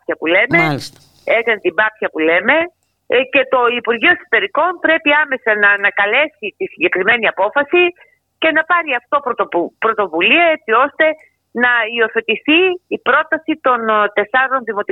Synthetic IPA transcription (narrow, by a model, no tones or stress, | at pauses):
pçɐpule̞me | ekɐnet̪ibɐpçɐpule̞me̞ | ce̞t̪o̞ipuɾʝioekso̥t̪e̞ɾiko̞npɾe̞piɐme̞sɐnɐnɐkɐle̞sit̪isiɲɟe̞kɾime̞niɐpo̞fɐsi | ce̞nɐpɐɾiɐft̪o̞pɾot̪opɾo̞t̪o̞vuliɐe̞t͡sio̞st̪e̞ | nɐio̞θe̞t̪iθiːpɾo̞t̪ɐsit̪o̞nt̪e̞sɐɾo̞nðimo̞t̪i